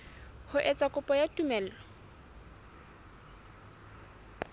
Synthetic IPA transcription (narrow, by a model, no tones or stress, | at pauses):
hʊʔɛt͡sʼakʼʊpʼɔjatʼumɛːl̩lɔ